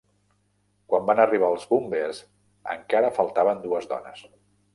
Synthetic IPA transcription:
kwambanəriβ̞aːlˠzbumbez | ə̰ŋkaɾəfəlˠt̪aβənd̪uəzd̪ɔ̰nəs

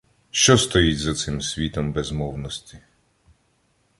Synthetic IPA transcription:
ʃt͡ʃɔst̪ɔjitʲzɐt̪sɪmsʲʋʲit̪ɔmbɛzmɔwnɔsʲt̪ʲi

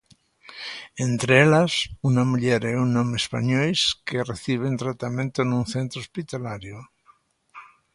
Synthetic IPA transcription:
ent̪ɾeelasunamuʎeɾɛunːomeːspa̰ɲojskereθiβ̞ent̪ɾat̪amẽnt̪onũnθent̪ɾospit̪alaɾjo

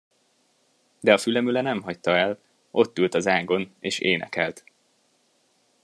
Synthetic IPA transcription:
d̪ɛɒfylɛmylɛnɛmɦɒct̪ɒɛl | ʔo̞t̪ːylt̪ɒzaːɡo̞neːʃeːnɛ̰kɛlt̪

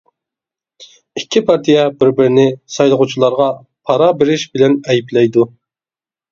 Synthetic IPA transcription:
ikʲʰːipʰɑɾt̪ʰijɛbɪɾbɪɾɪnɪsɑjlˠəʁut͡ʃʰilˠɑɾʁɑ | pʰɑɾɑbɪɾɪʃbɪlɛnɛjiplɛjd̪u

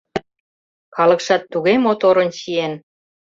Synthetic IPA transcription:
kɑlə̆kʃɑt̪ːuɣemot̪oɾə̆nɕien

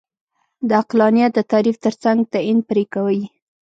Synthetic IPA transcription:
d̪əaqlɑnijat̪̚d̪ət̪ɑɾift̪əɾt͡saŋɡ̚t̪aind̪̚pəɾekawəj

